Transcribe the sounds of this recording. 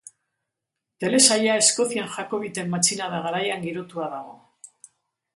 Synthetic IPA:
t̪e̞le̞saʎae̞sko̞θianʝako̞βit̪e̞mːat͡ʃinaðaɣaɾajaŋɡiɾo̞t̪uaðaɣ̞o̞̰

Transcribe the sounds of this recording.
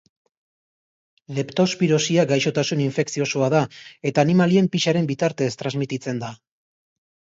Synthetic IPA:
le̞pt̪o̞spiɾo̞siaɡajʃo̞t̪asuniɱfe̞ksio̞soaðae̞t̪aːnimalie̞mpiʃaɾe̞mbit̪aɾt̪e̞ːst̪ɾazmit̪it͡se̞nd̪a

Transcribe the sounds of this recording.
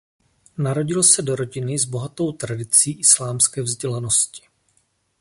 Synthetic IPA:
naɾo̞ɟɪlsɛdo̞ɾo̞ɟɪnɪzbo̞ɦat̪o̞wt̪ɾadɪt͡siːʔɪslaːmskɛːvzɟɛlano̞scɪ̥

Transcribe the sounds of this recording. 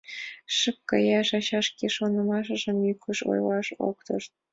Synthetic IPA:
ʂɨkːɑ̰jɑʒɑɕɑʂkʲeʃonɤ̆mɑʃʒɤ̆mjykʰuʃo̰jlɑʃo̰kt̪ɤ̆ʃt̪̚

